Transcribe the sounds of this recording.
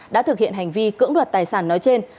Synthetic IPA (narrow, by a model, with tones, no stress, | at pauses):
ɗa̰ː˧˥t̪ʰɨ˨˩k̚hḭ˧˨ənɦa˨˩jŋ̟vi˧kɨ̰˧˥əŋɗwə˨˩t̚t̪aː˨˩jsaː˧˩nːɔ˨˦jt͡ɕe˧n